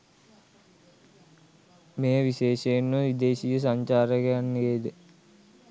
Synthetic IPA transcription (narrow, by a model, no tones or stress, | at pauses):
mejəʋiɕeːʃeːnːəʋid̪eːɕiːjəs̬aɲt͡ɕaːɾəɡeanːeːd̪ə